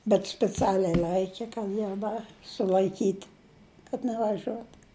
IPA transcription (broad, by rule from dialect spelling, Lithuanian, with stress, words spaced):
bʲɛt sʲpʲɪˈt͡sʲæːlʲɛɪ ˈlˠɐɪkʲɛ kɐt ˈjɛʊ ˈdɐ sʊlʲɐɪˈkʲiːtʲ kɐt nʲɛʋɐˈʒʲuɔt